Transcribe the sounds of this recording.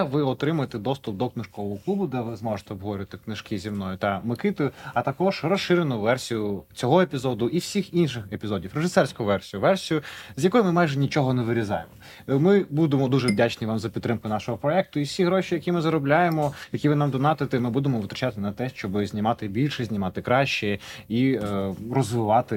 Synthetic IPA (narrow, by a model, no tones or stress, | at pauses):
ʋɪɔt̪ɾɪmʊjet̪ɛd̪ɔst̪ʊpd̪ɔknɪʃkɔʋɔɦɔklˠubʊd̪ɛʋɪzmɔʒet̪ɛɔbɦɔɾʲɐt̪ɪknɪʃkɪzʲimnɔjʊt̪ɑmɪkɪt̪ojʊɐt̪ɐkɔʒ̥rɔsʃɪɾenʊʋɛrsʲijʊt͡sʲɔɦɔepʲizɔd̪ʊʔiwsʲixinʃɪxepʲizɔdʲiwreʒɪsɛrsʲkʊʊʋɛrsʲijʊʋɛrsʲijʊzʲjɐkɔjʊmɪmajʒɛnʲit͡ʃɔɦɔneʋɪɾʲizɑ̰jemɔ | mɪbud̪emɔd̪uʒɛʋdʲat͡ʃnʲiʋɑmzɐpʲt̪ːɾɪmkʊnɑʃɔɦɔpɾɔɛk̚t̪ʊiwsʲiɦɾɔʃʲijɐkʲimɪzɐɾɔblʲajemɔjɐkʲiʋɪnɑmd̪ɔnɑt̪ɪt̪ɪmɪbud̪emɔʋɨt̪ɾɐt͡ʃat̪ɪnɐt̪ɛʃt͡ʃɔbɪzʲnʲimɑt̪ɪbʲilʲʃɛzʲnʲimɑt̪ɪkɾɑʃt͡ʃɛi | rɔzʋɪʋɑt̪ɪ